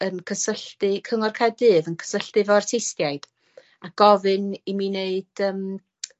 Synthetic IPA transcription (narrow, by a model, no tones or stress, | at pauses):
ənkʰəsəɬtɨkʰəŋɔrkʰadɨːvənkʰə̥səɬtɨvɔrtʰejstjajd̥ | aɡ̥ɔvɨnimineɨd̥əːm